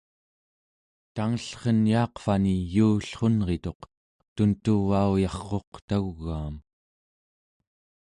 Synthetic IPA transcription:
t̪aŋəɬχənjɑːqfanijuːɬχo̞nʁe̞t̪o̞q | t̪unt̪uvaujɑχqːo̞qt̪aɣːaːm

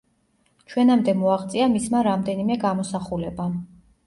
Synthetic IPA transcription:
t͡ʃʰwɛnamd̪ɛmɔaʁt̪sʼiamismaɾamd̪ɛnimɛɡamɔsaχulɛba

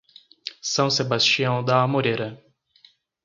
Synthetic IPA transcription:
sɐ̃w̃sebast͡ʃiɐ̃w̃d̪aːmoɾeɾɐ

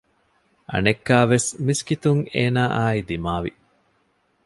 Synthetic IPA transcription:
ʔɐ̰nekːaːʋesmiskit̪uŋeːnaːʔaːid̪imaːʋḭ

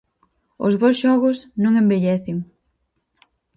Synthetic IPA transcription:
ʊ̰zβowsʃɔɣʊsnõŋembeʎɛθɪŋ

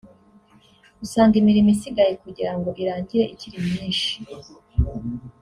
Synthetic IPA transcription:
usaːŋɡimiɾimisiɡajekuɟiɾaŋɡo̞ʔiɾaːɲɟiɾe̞ʔiciɾimɲiːnʃi̥

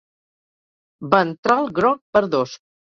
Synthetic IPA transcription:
bənt̪ɾalˠɡɾɔk̚pəɾðos

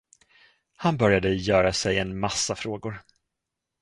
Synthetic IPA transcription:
hanbœɾjad̪əjœːɾasɛjɛnmasːafɾoːɡʊɾ

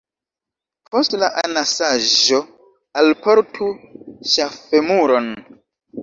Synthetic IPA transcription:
pʰo̞stlaʔanasaʒo | alpo̞ɾtʰuʃafe̞muɾo̞n

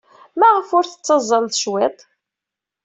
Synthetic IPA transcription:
mæʁəfʊɾθət͡sːɑzˤːənθʃwɪt̪ˤ

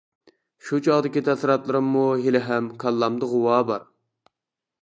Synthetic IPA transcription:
ʃut͡ʃʰɑʁd̪ɪkʲit̪ʰɛsɪɾɑt̪lˠɨɾɨmːuɦilɪɦɛmkʰɑlˠːɑmd̪ɨʁʊwɑːbɑɾ

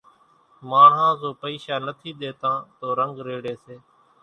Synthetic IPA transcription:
mãːɦãːzoːpəiːʃaːnət̪ʰiːɗ̪eːt̪ãːt̪oːɾəŋɡɾeːɽeːseː

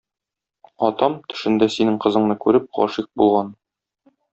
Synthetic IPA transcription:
ɒt̪ɑmt̪ɵ̆ʃɘ̆nd̪æsinɘŋqɤ̆zɤ̆ɴnɤkʉɾɘp̚qɒ̰ʃiq̚bulˠʁɑn

